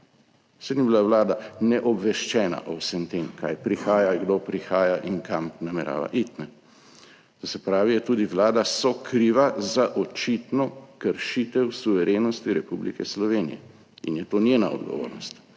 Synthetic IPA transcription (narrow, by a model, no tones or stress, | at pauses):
sed̪nibilaʋlaːd̪anɛʔɔbʋɛʃt͡ʃɛːna̰ʔɔwsɛmt̪eːmka̰jpɾixaːjaɡd̪opɾixaːjaʔiŋkʰamnamɛɾa̰ːʋa̰ʔit̪nɛ | t̪ɔsɛpɾaːʋijɛt̪uːd̪iʋlaːd̪asɔkɾiːʋazaʔɔt͡ʃit̪nɔkəɾʃit̪ɛwsuʋɛɾeːnɔst̪iɾɛpublḭkɛslɔʋeːnḭjɛ | ḭnjɛt̪oːnjeːna̰ɔ̰d̪ɡɔ̰ʋo̰ːɾnɔst̪